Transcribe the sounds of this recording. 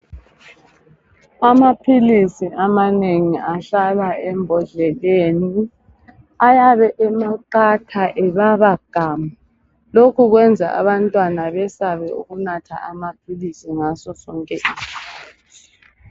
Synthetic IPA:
amapʰilisiʔamaneŋiaɬalaɛmbʱɔɮɛleːni | ajaβɛʔɛmaǃatʰaʔɛβaβaɡ̥ʱaːma | lokʰuɣwɛnd͡zʱa̰a̰βantʼwanaβɛsaβɛṵɣunatʰa̰amapʰilisiŋasɔsɔːŋkʼɛ

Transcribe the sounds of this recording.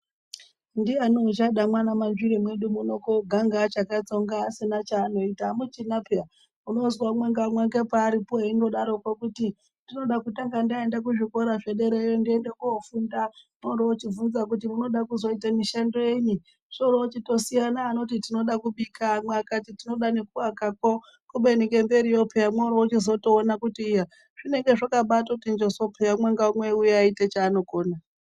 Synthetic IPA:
ndianot͡ʃaɗamwanamanʐiɾemwe̞ɗumuno̞koɡʱaŋɡat͡ʃakat͡so̞ŋɡaːsinat͡ʃaːno̞itamut͡ʃinapea | uno̞zwamwaŋɡamwaŋɡepaːɾipoeino̞ɗaɾo̞kwakuti | ndino̞ɗakutaŋɡandaendak̬uʐiko̞ɾaʐe̞ɗe̞ɾejondie̞ndekuofundamoɾoot͡ʃivunzakutimuno̞ɗakuzo̞itamiʃando̞jeɲi | ʐoɾot͡ʃito̞sijanaːno̞titino̞ɗakuɓikʰaːmweakatitino̞ɗanekuwakako | kuɓeniŋɡe̞mbe̞ɾijopʰe̞jamwoɾot͡ʃizo̞to̞ːnakutiːja | ʐ̥ine̞ŋɡe̞ʐakaɓatoktind͡ʒoso̞pʰejamweŋɡaumwe̞ujeaitet͡ʃaːno̞ko̞ːna

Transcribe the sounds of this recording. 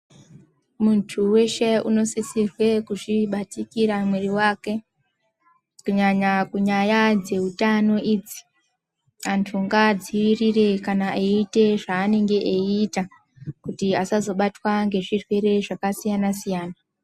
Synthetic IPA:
muntʰuwe̞ʃeṵno̞sisirwe̞kuʐiɓatikiɾamweɾiwaːke̞ | kuɲaɲakuɲajad͡ze̞utano̞iːd͡zi̥ | antʰuŋɡad͡ziwirire̞kanaeite̞ʐaːne̞ŋɡe̞ʔeita | kutiasazo̞ɓatwaŋɡe̞ʐirwe̞ɾe̞ʐakasijanasijaːna

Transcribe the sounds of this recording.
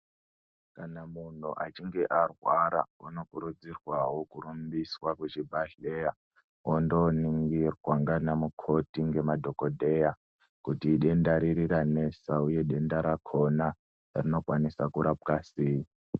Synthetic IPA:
kanamun̤uʔat͡ʃiŋɡe̞ʔarwaɾa̰uno̞kuɾud͡zirwawo̞kuɾumbiswakut͡ʃibʱaɮeːja | ondo̞niŋɡirwaŋɡanamukʰo̞tiŋɡe̞madʱo̞kodʱe̞ja | kutiːɗe̞ndaɾiɾiɾane̞sauje̞ɗe̞ndaɾakʰo̞na | rino̞kwanisakuɾap̚kasiːi

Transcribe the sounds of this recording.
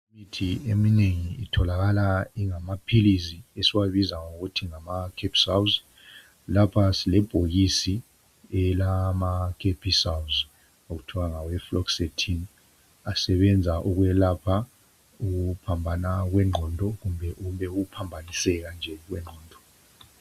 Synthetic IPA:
mitʰiemineŋiitʰɔlaɣalaiŋamapʰilisiesiwaβizaŋoɣutʰiŋamakʰepʰi̥sawz | lapʰasilɛb̥ʱoɣisi | ɛlamakʰepʰisawz | oɣutʰɔɣaŋawɛflɔksetʰin | asɛβɛnd͡zʱaʔuɣwɛlapʰa | uɣuupʰambʱanaɣwɛŋ͡ǃʱɔndʱɔɣumbʱɛʔumbɛuɣupʰambʱanisɛɣand͡ʒʱɛɣwɛŋ͡ǃʱɔːndʱɔ

